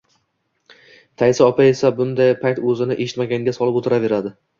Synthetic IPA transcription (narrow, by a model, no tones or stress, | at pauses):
t̪ʰajsɪɒpʰae̞sabʊnd̪ajpʰakt̪ɵzɪnɪʔeʃɪt̪maɡʲanɡʲasɒlˠɪpot̪ʰɪɾave̞ɾad̪ɪ